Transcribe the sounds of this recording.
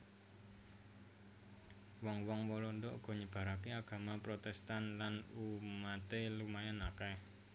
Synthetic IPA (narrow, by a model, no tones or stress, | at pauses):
wɔŋwɔŋwɔlɔnd̪ɔʔuɡ̥ɔ̤ɲəb̥a̤ɾakeaɡ̥a̤mapɾot̪ɛst̪anlanumat̪elumajanakɛ